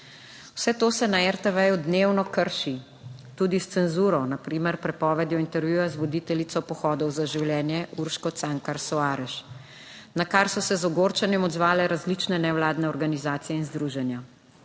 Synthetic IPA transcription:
w̥sɛt̪oːsɛnaɛɾt̪ɛʋɛjud̪newnɔkəɾʃi | t̪uːd̪ist̪sɛnzuːɾɔnapɾiːmɛɾpɾɛpɔːʋɛd̪jɔint̪ɛɾʋjuːjazʋɔd̪it̪ɛlit̪sɔpɔxɔːd̪ɔwzaʒiwljɛːnjɛuɾʃkɔt̪saŋkaɾsɔaːɾɛʃ | nakaɾsɔsɛzɔɡoːɾt͡ʃanjɛmɔd̪zʋaːlɛɾazlit͡ʃnɛnɛwlaːd̪nɛɔɾɡanizaːt̪sijɛinzd̪ɾuʒɛnja

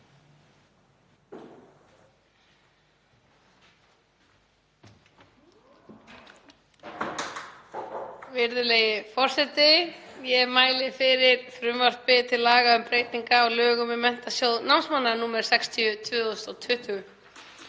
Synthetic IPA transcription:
vɪɾðʏleːjɪfɔr̥sɛt̪ɪjɛmaːjlɪfɪɾɪɾfɾʏmvar̥t̪pɪt̪ʰɪlaːɣaʏmpɾeːjt̪niŋkaɔlœːɣʏmɪmɛn̥t̪asjowðnawmnsmanːanuːmɛɾ̥sɛkst̪ʰiʏt̪ʰvʏːɔʏst̪ɔwt̪ʰvʏht̪ʰʏɣʏ

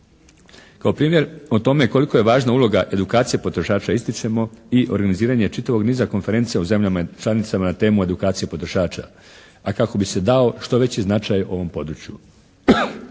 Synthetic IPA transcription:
kaopɾiːmje̞ɾot̪o̞me̞ko̞liko̞je̞ʋaːʒnaulˠo̞ɡaʔe̞d̪ukaːt̪sijepo̞t̪ɾo̞ʃaːt͡ʃaist̪it͡ʃemoiʔo̞̰ɾɡaniziːɾaɲe̞t͡ʃit̪aʋo̞ɡniːzako̞nfe̞ɾe̞nt̪sijeuze̞mʎamat͡ʃlˠanit̪samanat̪e̞ːmue̞d̪ukaːt̪sije̞po̞t̪ɾo̞ʃaːt͡ɕa̰ | akako̞bise̞d̪ao̞ʃt̪o̞ʋe̞t͡ɕiznat͡ʃajoo̞ʋo̞mpo̞d̪ɾut͡ɕjṵ

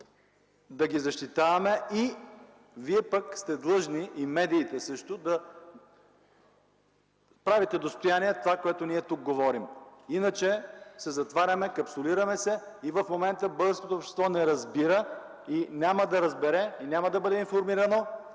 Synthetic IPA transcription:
d̪ɐɡizɐʃt̪it̪avɐmɛi | viɛpəkst̪ɛd̪lˠɤʒniʔimɛd̪iːt̪ɛsɤʃt̪od̪ɐ | pɾavit̪ɛd̪ost̪ojaniɛt̪ovakoɛt̪oniɛt̪uk̚ɡovɔɾiminət͡ʃɛsɛzɐt̪vaɾʲɐmɛkɐpsoliɾɐmɛsɛivəfmomɛnt̪əbɤd̪əɾskot̪oːpʃt̪ɛ̥st̪vɔnɛɾɐzbiɾə | inʲaməd̪ɐɾɐzbɛɾɛinʲaməd̪ɐbɤd̪ɛinfoɾmiɾɐno

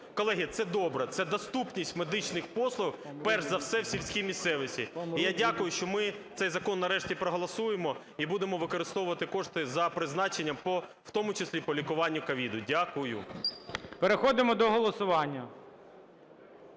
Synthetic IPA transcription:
kɔlˠɛɦʲit̪sɛd̪ɔbɾɛt̪sɛd̪ɔst̪upnʲisʲtʲmed̪ɪt͡ʃnɪxpɔslˠʊxpɛrʒzɐwsɛwsʲiwsʲkʲimʲist̪ɛʋɪsʲiijadʲakʊjʊʃt͡ʃɔmɪt̪sɛjzɐkɔnːɐɾɛʃtʲipɾɔɦɔlˠɐsujemɔ | ibud̪emɔʋɪkɔɾɪst̪ɔwʊʋɐt̪ɪkɔʂt̪ɪzɐpɾɪznɑt͡ʃenʲːɐmpɔ | wt̪ɔmʊt͡ʃesʲlʲipɔlʲikʊʋɑnʲːʊkɐʋʲid̪ʊdʲakʊjʊ̰ | peɾexɔd̪ɪmɔd̪ɔɦɔlˠɔsʊʋɑnʲːɐ

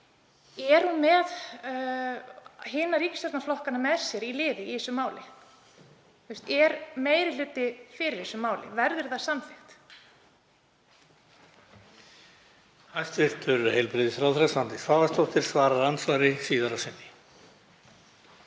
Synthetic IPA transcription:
ɛɾ̥hunmɛð | ɦɪːnaɾiːcɪst̪ɛɾt̪naflɔhkanamɛðsjɛɾilɪːðɪihɪsʏmaːwlɪ̰ | θuwst̪ɛɾmeːjɾɪl̥ʏːt̪ɪfɪɾɪɾ̥hɪsʏmaːwlɪ̰vɛɾðʏɾ̥θaðsamfɪxt̪ | hajst̪vɪr̥t̪ʏɾhejlpɾɪðɪsfɾaːwθɾasvant̪ɪsvaːvast̪owht̪ɪɾ̥svaːɾaɾansvaɾɪsiːðaɾasɪnːɪ

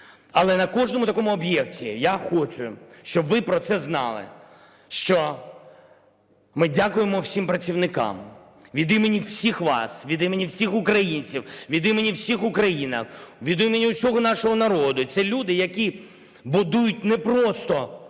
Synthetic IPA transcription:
ɐlˠɛnɐkɔʒnɔmʊt̪ɐkɔmʊɔbjɛktʲijaxɔt͡ʃʊʃt͡ʃɔbʋɪpɾɔt̪sɛznɑ̰lˠɪ̰ | ʃt͡ʃɔ | mɪdʲakʊjemɔwsʲimpɾɐt͡sʲiwnɪkɑ̰m | ʋʲid̪ɪmenʲiwsʲixʋɑ̰sʋʲid̪ɪmenʲiwsʲixʊkɾɐjinʲt͡sʲiwʋʲid̪ɪmenʲiwsʲixʊkɾɐjinɐ̰xʋʲid̪ɪmenʲiʊsʲɔɦɔnɑʃɔɦɔnɐɾɔd̪ʊit̪sɛlʲud̪ɪjɐkʲi | bʊd̪ujʊt̚ʲnɛpɾɔst̪ɔ

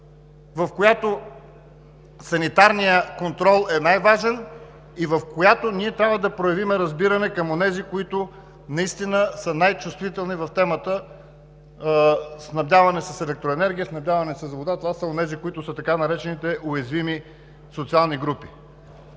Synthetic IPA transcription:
vɐfkojat̪o | sɐnit̪aɾnijəkont̪ɾɔlˠɛnajvaʒɛn | ivəfkojat̪oniɛt̪ɾʲabvəd̪ɐpɾojɐvimɛɾɐzbiɾɐnɛkɐmonɛzikoit̪ʊ | nɐist̪inəsənajt͡ʃust̪vit̪ɛlˠnivɐft̪ɛmət̪ə | snɐvd̪ʲjavɐnɛsəsɛlɛk̚t̪ɾoɛnɛɾɡʲiəsnɐvd̪ʲjavɐnɛsəzvod̪at̪ovasəonɛzikoit̪ʊsət̪ɐkanɐɾɛt͡ʃɛnit̪ɛʔojɛzvimi | sot̪sialˠniɡɾupi̥

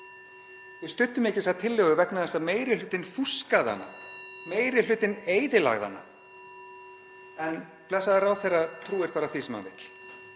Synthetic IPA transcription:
vɪst̪ʏnt̪ːʏmɛhcɪsaðt̪ʰɪlːʏɣʏvɛknaðɛst̪ameːjɾɪlʏːt̪ɪnfuskaða̰nːa̰meːjɾɪl̥ʏːt̪ɪneːjðɪla̰ɣða̰nːa̰ | ɛn | plɛsaðaraːwθejraðt̪ʰɾuːɛɾ̥paːɾaθisɛma̰vɪ̰t̪l̥

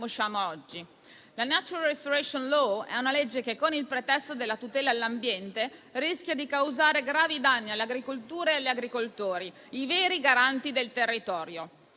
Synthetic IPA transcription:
oʃaːmoɔd͡ʒːi | lanat͡ʃuɾalɾest̪oɾɛʃonlɔɛ̰unaled͡ʒːekekːonilpɾet̪ɛst̪od̪elːat̪ut̪ɛːlalːambjɛnt̪eɾisk̟jad̪ikawzaːɾeɡɾaːvid̪anːialːeaɡɾikolt̪uːɾeealːaɡɾikolt̪oːɾi | iveːɾiɡaɾant̪id̪elt̪erːit̪ɔːɾjo

